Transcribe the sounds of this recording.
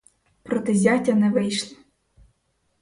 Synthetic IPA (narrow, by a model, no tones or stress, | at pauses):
pɾɔt̪ɛzʲɑtʲɐnɛʋɪjʃlˠɪ